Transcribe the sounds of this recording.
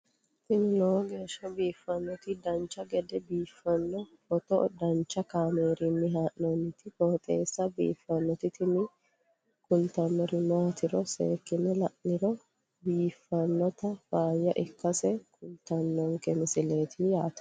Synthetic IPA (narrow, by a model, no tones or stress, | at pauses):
t̪ɪnɪloːɡe̞ːʃːɐbiːfːɐnːɔt̪ɪd̪ɐnt͡ʃːɐɡɛd̪ɛbiːfːɐnːɔhɔt̪ɔd̪ɐnt͡ʃːɐkaːmeːɾɪmːɪɦaːʔnɔnːɪt̪ɪhoːt̪ʼḛːsːɐbḭːfːɐnːɔt̪ɪt̪ɪnɪ | kʊlt̪ɐnːɔɾɪmaːt̪ɪɾɔsḛːkːɪnɛlɐʔnɪɾɔ | biːfːɐnːɔt̪ɐfaːjːɐʔɪkːɐsɛkʰʊlt̪ɐnːɔŋkɛmɪsɪle̞ːt̪ʰɪjaːt̪ɐ̥